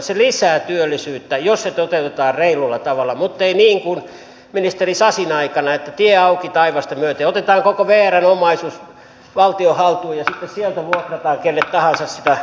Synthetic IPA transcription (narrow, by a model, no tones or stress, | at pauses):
selisæːt̪yølːisyːt̪ːæjosset̪ot̪eut̪et̪ɑːrreilulːɑt̪ɑʋɑlːˑɑmut̪ːeiniːŋkun | minist̪erisɑsinɑikɑnɑet̪ːæt̪ieɑukit̪ɑiʋɑst̪ɑmyøt̪eot̪et̪ɑːŋkokoʋeːærænomɑisuːs | ʋɑlt̪iohɑlt̪uːjɑsit̪ːessielt̪æʋuokrɑt̪ɑːŋkelːet̪t̪ɑhɑnsɑssit̪æ